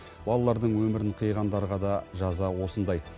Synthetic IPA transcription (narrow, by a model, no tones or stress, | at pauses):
bɑlˠɑlˠɑɾd̪əɴwɵmɪɾɪɴqʰijʁɑnd̪ɑɾʁɑd̪ɑʒɑzɑwo̞sənd̪ɑj